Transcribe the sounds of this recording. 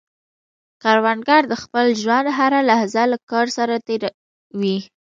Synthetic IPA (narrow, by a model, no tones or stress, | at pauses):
kaɾwanɡɑɾd̪əxpəlʒwand̪ɦaɾalahzalakɑɾsaɾat̪eɾa | wi